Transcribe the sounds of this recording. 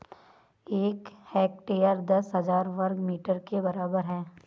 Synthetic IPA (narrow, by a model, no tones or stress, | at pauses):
eːkhɛːk̚ʈeːəɾd̪ɐsɦɐzaːɾʋɐɾɡmiːʈəɾkebɐɾaːbəɾɦɛː